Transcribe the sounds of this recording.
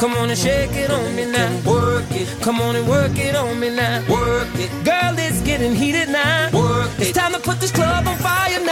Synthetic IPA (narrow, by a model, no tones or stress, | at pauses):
kʰʌ̃mɑ̃nɨʃekɪɾnminawɜkɪkʰʌ̃mɔ̃nɨwɜ˞kɪɾn̩minawɜ˞kɪɡ̥ɜ˞lˠɪsɡɛɾɪ̃ŋɦiɾɪdⁿnawɜ˞tʰãɪ̃mtʰəpʰʊt̪̚ðɪskʰl̥ʌb̃n̩faɪən